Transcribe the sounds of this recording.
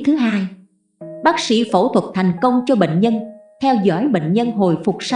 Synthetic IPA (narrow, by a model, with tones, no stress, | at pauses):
t̪ʰɨ˨˦ɦaː˧j | ɓaː˦˥k̚sḭ˧˥fo˧˩t̪ʰwə˨˩t̚t̪ʰa˨˩jŋ̟kə˧wŋ͡mt͡ɕɔ˧ɓḛ˧˨ŋ̟ɲə˧nt̪ʰɛ˧wzɔ̰ː˧˥˨jɓḛ˧˨ŋ̟ɲə˧nɦo˨˩jfʊ˨˩k͡p̚sa˧